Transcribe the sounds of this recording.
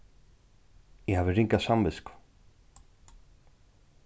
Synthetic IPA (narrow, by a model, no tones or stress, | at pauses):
jɪɦavɪriŋkasamvɪskʊ̥